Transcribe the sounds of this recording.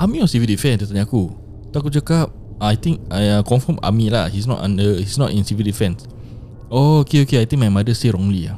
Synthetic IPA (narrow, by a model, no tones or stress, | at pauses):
ʔamiɔ̃nsivildifɛ̃nsət̪aɲaku | t̪akut͡ʃakap̚ | ajt̪ĩŋk̚aãkɔ̃nfəma̰mila̰hisnɔ̰tã̰ndəhisnɔ̰tĩnsivildifɛ̃ns | ookeokeajt̪ĩŋmajmadəseɹɔ̃ŋlia̰